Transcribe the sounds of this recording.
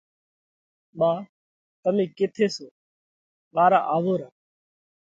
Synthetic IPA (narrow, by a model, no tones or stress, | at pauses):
mãː | t̪əmĩːkɪt̪ʰeːsoː | ɓaːɾa̰ːʔaːʋoːɾaː